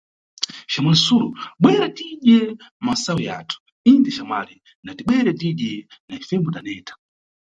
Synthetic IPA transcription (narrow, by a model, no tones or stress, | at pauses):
ʃamansuluɓwɛɾatiɗjɛmasawija̰tʰu̥ | indɛʃama̰li | natiɓwɛɾɛtiɗɛnaifɛmbɔdanɛːtʰḁ